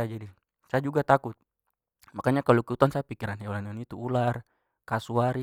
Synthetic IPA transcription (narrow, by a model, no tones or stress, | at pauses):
d͡ʒadi | saad͡ʒuɡat̪akut̪̚ | makaɲakalɔkɛut̪uansapikiɾanɦɛwalanɔnit̪uular | kasuaɾi